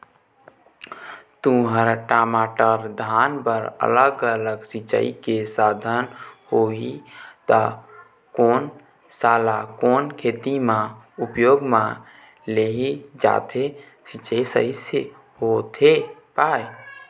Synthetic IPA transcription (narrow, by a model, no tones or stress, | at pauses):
t̪ũɦəɾʈamaʈəɾd̪ʱanpəɾə̰ləɡələɡsit͡ʃə̰ḭkesad̪ʱənhoit̪ə | koːn | salakoːnkʰet̪imãupjoɡmã | leɦid͡ʒa̰t̪ʰe | sit͡ʃəjsəise | hot̪ʰepaj